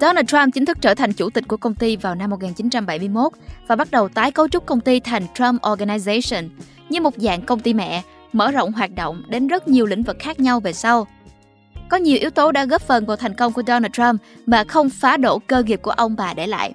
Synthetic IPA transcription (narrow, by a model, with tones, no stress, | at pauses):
ɗɔ˧naː˧ta˧mt͡ɕï˨˦ŋ̟t̪ʰɨ˦˥k̚t͡ɕəː˧˩t̪ʰa˨˩jŋ̟t͡ɕu˧˩t̪i˨˩k̟ku˧˩əkə˧wŋ͡mt̪i˧vaː˨˩wna˧mː˨˩t̚ŋaː˨˩nt͡ɕi˨˦nt͡ɕa˧mɓa˧˩jmɨ˧əjmo˦˥t̚vaː˨˩ɓa˦˥t̚ɗə˨˩wt̪aː˨˦jkə˨˦t͡ɕʊ˦˥k͡p̚kə˧wŋ͡mt̪i˧t̪ʰa˨˩jŋ̟t͡ɕɹaː˧˥mʔɔ˧ɣa˧na˧za˧sə˧˩n | ɲɨ˧mo˨˩t̚za̰ː˧˨ŋkə˧wŋ͡mt̪i˧mɛ̰˧˨ | mə̰ː˧˩zo̰˧˨wŋ͡mɦwaː˨˩t̚ɗo̰˧˨wŋ͡mɗe˨˦nzə˦˥t̚ɲi˨˩əwlḭ̈˧˥ŋ̟vɨ˨˩k̚xaː˦˥k̚ɲa˧wve˨˩sa˧w | kɔ˨˦ɲi˨˩əwʔi˨˦əwt̪o˨˦ɗa̰ː˧˥ɣə˦˥p̚fə˨˩nvaː˨˩wt̪ʰɛ˨˩jŋ̟kə˧wŋ͡mku˧˩əɗɔ˧naː˧ta˧mmaː˨˩xə˧wŋ͡mfaː˨˦ɗo˧˩kəː˧ŋi˨˩p̚ku˧˩əʔə˧wŋ͡mɓaː˨˩ɗe˧˩la̰ː˧˨jʔ